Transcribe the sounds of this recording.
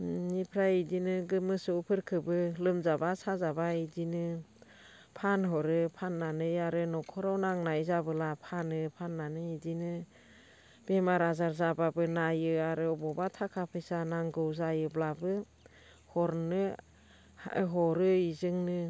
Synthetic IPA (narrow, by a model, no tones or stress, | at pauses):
nipʰɾajidinɯɡɯmɯsɯpʰɯɾkʰɯbɯlɯmzabasazabaidinɯ | pʰanɦɔɾɯpʰanːanɯjaɾɯnɔkʰɔɾawnaŋnajzabɯlapʰanɯpʰanːanɯidinɯ | b̥emaɾazaɾzababɯnajɯaɾɯɔbɔbatʰakʰapʰɯjsanaŋɡɯwzajɯblabɯ | hɔɾnɯ̰ | ɦɔɾɯizɯŋnɯ